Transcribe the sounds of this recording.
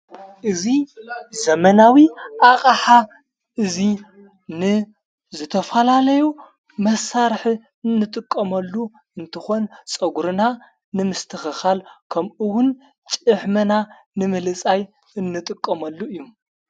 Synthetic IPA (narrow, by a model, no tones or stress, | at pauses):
ʔɨzizɐmɐnawiʔaχʼaħa | ʔɨzi | nɨ | zɨt̪ʰɐfɐlalɐju | mɐsaɾħ | ɨnːɨt̪ʼɨkʼːɐmɐlːu | ɨnt̪ʰɨxo̞nt͡sʼɐɡuɾɨna | nɨmɨst̪ʰɨxɐxalkʰɐmʔɨwʊn | t͡ʃʼɨħmɐna | nɨmɨlɨt͡sʼaj | ɨnːɨt̪ʼɨkʼːɐmɐlːuɨjːum